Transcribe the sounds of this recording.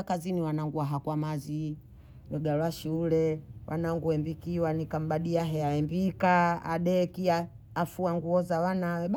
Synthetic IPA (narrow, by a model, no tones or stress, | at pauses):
kaziniwanaŋɡuwaɦakwamazi | nɛɡalaʃulɛwʔa̰naŋɡuɛmbikiwanikam̩ɓaɗiaɦɛaɛmbikaa̰ɗɛkia | afuaŋɡuɔzawanawɛɓ